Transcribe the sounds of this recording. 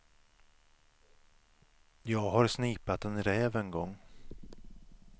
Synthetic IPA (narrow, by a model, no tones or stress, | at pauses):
jɑːɡɦaɾsniːpat̪ɛnɾɛːvɛnɡɔŋː